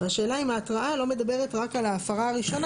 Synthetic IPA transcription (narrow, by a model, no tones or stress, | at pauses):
aʃe̞ːlaimaːtʁaʔalo̞me̞d̪abe̞ʁetʁakalaːfaʁaaʁiʃo̞n